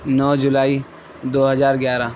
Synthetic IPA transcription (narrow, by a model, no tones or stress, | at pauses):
nɔːd͡ʒʊlaːi | d̪oːɦɐzaːɾɡjaːɾaː